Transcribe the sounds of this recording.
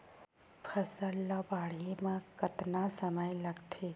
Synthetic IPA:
pʰəsəɾləbaːɽ̤ijemãkɐt̪nasəməjlɐɡt̪ʰe

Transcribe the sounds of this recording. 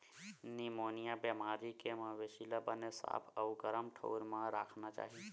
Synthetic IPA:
nimoːnijabemaːɾikemãʋesilabənesa̰ːpʰəʊɡəɾəmʈʰo̰ːɾmãɾa̰ːkʰnat͡ʃa̰ːɦi

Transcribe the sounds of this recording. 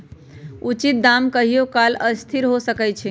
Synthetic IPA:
ut͡ʃit̪̚d̪amkəɦijokaləst̪ʰiɾɦosəkɛt͡ʃʰi

